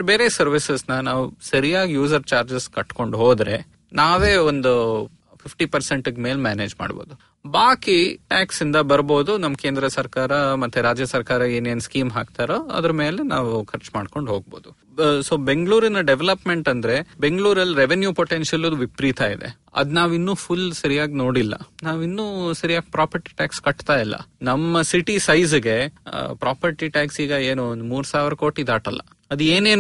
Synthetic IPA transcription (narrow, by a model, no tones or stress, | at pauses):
beːɾeːsɐɾʋisɐsnɐnaːʋusɐɾijaːɡijuːsɐɾt͡ʃaːɾd͡ʒɐskɐʈːko̞ɳɖɦoːd̪ɾe̞̰ | naːʋe̞ːond̪u | pʰipʰʈipɐɾseɳʈɐɡmeːlmjaːne̞ːd͡ʒma̰ːɽbo̞̰ːd̪u | baːkiʈaːksind̪ɐbɐɾbo̞ːd̪unɐmːkeːnd̪ɾɐsɐɾkaːɾɐmɐt̪ːuɾaːd͡ʒjɐsɐɾkaːɾɐeːneːnskiːmɦa̰ːk̚t̪aːɾoːɐ̰d̪ɾɐme̞ːlenaːʋukʰɐɾt͡ʃma̰ːɖko̞ɳɖɦo̞ːɡ̚bo̞ːd̪u | soːbe̞ŋɡɭuːɾinɐɖeʋelɐpme̞ɳʈɐnd̪ɐɾe̞be̞ŋɡɭuːɾɐlːiɾeʋenjupoʈenʃjɐlod̪uʋipɾiːt̪aːid̪e̞̰ | ɐ̰d̪naːʋinːuːpʰulsɐɾijaːɡino̞ːɽilːɐ̰naːʋinːuːsɐɾijaːɡ̚pɾaːpʰɐɾʈi̥ʈaːkskɐʈːt̪aːjilːɐ̰nɐmːɐsiʈisɐjzɡe̞pɾaːpʰɐɾʈiʈaːksiːɡɐeːnund̪muːɾsaːʋɾɐko̞ːʈid̪aːʈɐlːɐ̰ | ɐd̪eːneːn